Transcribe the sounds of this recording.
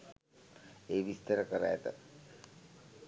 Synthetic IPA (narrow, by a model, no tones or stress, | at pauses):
eːʋist̪əɾəkəɾaːt̪ə̰